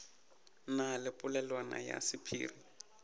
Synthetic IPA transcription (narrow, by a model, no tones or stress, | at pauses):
nalɪpʼʊlɛlwana̰ja̰sɪpʰḭːri